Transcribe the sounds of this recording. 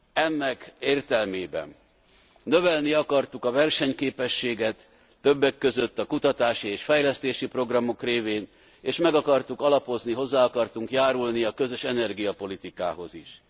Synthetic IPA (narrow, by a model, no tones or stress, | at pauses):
ɛnːɛkeːrt̪ɛlmeːbɛ̰nː | ø̞vɛlniɒkɒrt̪ukɒvɛrʃɛɲkeːpɛʃːeːɡɛt̪ː | ø̞bːɛkːø̞zø̞t̪ːɒkut̪ɒt̪aːʃieːʃfɛjlɛst̪eːʃipro̞ɡrɒmo̞kreːveːn | eːʃmɛɡɒkɒrt̪ukɒlɒpo̞zniɦo̞zːaːɒkɒrt̪uŋkjaːɾulniɒkø̞zø̞ʃɛnɛrɡijɒpo̞lit̪ika̰ːɦo̞̰ziʃ